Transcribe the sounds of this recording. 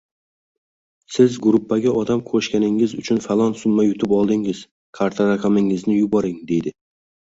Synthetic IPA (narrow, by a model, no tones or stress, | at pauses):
sɪzɡʊɾʊpʰːaɡʲaʔɒd̪amkʰoʃkʲanɪŋɪzʊt͡ʃʰʊnfalˠɒnsʊmːajʊt̪ʰʊpɒlˠd̪ɪŋɪz̥ | kʰaɾt̪ʰaɾaqʰamɪŋɪznɪjʊbɒɾɪŋd̪e̞jd̪ɪ